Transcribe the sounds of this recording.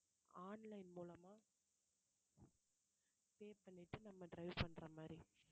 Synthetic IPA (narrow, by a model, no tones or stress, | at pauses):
aːnlɐɪnmuːlɐmaː | peːpɐɳːɪʈːɯnɐmːɐɖɾɐɪʋpɐɳːɾɐmaːd̪ɾi